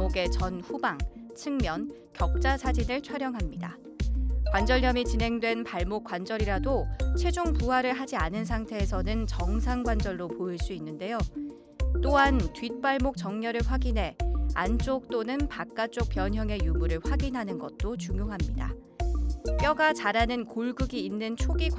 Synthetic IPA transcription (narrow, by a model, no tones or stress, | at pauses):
oɡe̞t͡ɕʌnɸubaŋt͡ɕʰɯŋmjʌn | kjʌk̚t͡ɕ͈asʰad͡ʑinɯɭt͡ɕʰwaɾjʌŋɦamɲida̰ | kwand͡ʑʌɭɲʌmit͡ɕinɦe̞ŋdwe̞npaɭmok͈wand͡ʑʌɾiɾadot͡ɕʰwe̞d͡ʑuŋpuɦaɾɯɭɦad͡ʑianɯns̬ʰaŋtʰe̞ːsʰʌnɯnt͡ɕʌŋsʰaŋɡwand͡ʑʌɭːopoiɭs͈uinːɯnde̞jo | t͈oɦantɥit̚p͈aɭmok̚t͡ɕ͈ʌŋɲʌɾɯɭɸwaɡinɦe̞ant͡ɕ͈ok̚t͈onɯnpak̚k͈at͡ɕ͈ok̚p͈jʌɲɦjʌŋe̞jumuɾɯɭɸwaɡinɦanɯnɡʌt̚t͈ot͡ɕuŋjoŋɦamɲida̰ | p͈jʌɡat͡ɕaɾanɯnkoɭɡɯɡiːnːɯnt͡ɕʰoɡi